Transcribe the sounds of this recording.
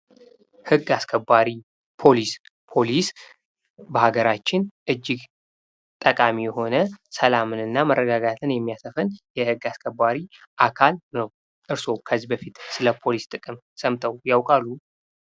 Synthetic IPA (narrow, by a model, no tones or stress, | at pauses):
hɨɡːaskʰəbːaɾi | pʰo̞lis | pʰo̞lis | bəhaɡəɾat͡ʃːɪnʔɨd͡ʒːɪɡ | t̪ʼəkʼamijɛho̞nəsəlamɨnɨnːamərːəɡaɡat̪ʰɨnjɛmːijasəfənjɛhɨɡːaskʰəbːaɾi | ʔakʰalnəw | ʔɨɾso̞kʰəzːibəfit̪sɨləpʰo̞list̪ʼɨkʼɨm | səmt̪ʰəwjawkʼalːu